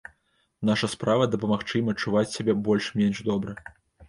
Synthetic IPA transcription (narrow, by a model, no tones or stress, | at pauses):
n̪aʂɐspɾavɐd̪ɐpɐmaxt͡ʂɨjimɐt͡ʂːuvat͡sʲsʲabʲɛbɔlʲʂmʲenʐd̪ɔbɾɐ